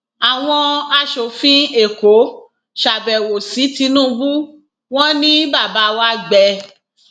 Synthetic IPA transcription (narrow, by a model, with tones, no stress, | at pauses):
a˨w̃ɔ̃˧a˧ʃo˨fĩ˦e˨ko˨˦ | ʃa˨bɛ˨wo˨si˨˦ti˧˦nũ˦˨˧bu˦ | w̃ɔ̃˦nĩ˦ba˦˨ba˨˦wa˦ɡ͡bɛ˧